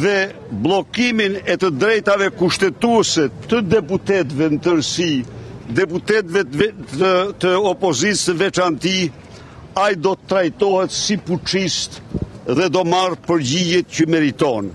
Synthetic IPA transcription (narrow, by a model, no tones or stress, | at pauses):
ðɛ | blˠɔkiminɛt̪əd̪ɾɛjt̪avɛkuʃt̪ɛt̪uɛsɛt̪əd̪ɛp̬ut̪ɛt̪vɛnt̪əɾsid̪ɛput̪ɛt̪vɛ | t̪əɔpɔzit̪səvɛt͡ʃant̪i | ajd̪ɔt̪ət̪ːɾajt̪ɔɦɛt̪siput͡ʃist̪ðɛd̪ɔmarpəɾɟijɛt̪cəmɛɾit̪ɔn